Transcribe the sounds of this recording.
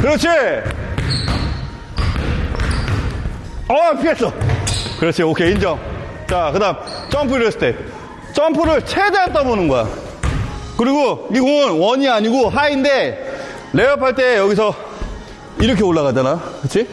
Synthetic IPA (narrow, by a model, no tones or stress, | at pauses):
kɯɾʌt͡ɕʰi | ʌpʰies͈ʌkɯɾʌt͡ɕʰiokʰe̞ind͡ʑʌŋ | t͡ɕakɯdamt͡ɕ͈ʰʌmpʰuiɾʌs͈ʰɯt͈e | t͡ɕʰʌmpʰɯɾɯɭt͡ɕʰedeant͈ʌbonɯnɡʌja̰ | kɯɾiɡomiɡoŋɯnwʌɲiaɲiɡoɦainde̞ | le̞ʌpʰaɭt͈e̞jʌɡis̬ʰʌ | iɾʌkʰe̞oɭːaɣad͡ʑanakɯɾɯʌt͡ɕʰi